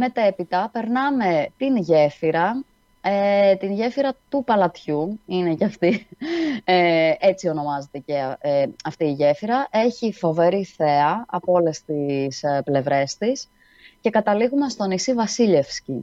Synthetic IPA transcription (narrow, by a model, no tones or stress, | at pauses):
me̞t̪e̞pit̪ɐpe̞ɾnɐme̞t̪inʝe̞fiɾɐ | et̪inʝe̞fiɾɐt̪upɐlɐt̪çuine̞cɐft̪i | ee̞t͡sio̞no̞mɐzet̪eceɐft̪iːʝe̞fiɾɐʔe̞çifo̞ve̞ɾiθe̞ɐɐpoo̞le̞st̪isple̞vɾe̞st̪is | ce̞kɐt̪ɐliɣumest̪o̞nisivɐsiʎe̞fsci